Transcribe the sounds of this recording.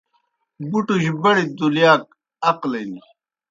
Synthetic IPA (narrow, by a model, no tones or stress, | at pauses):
buʈuɕbɐɽid̪uljaːk̚ | ɐqlejni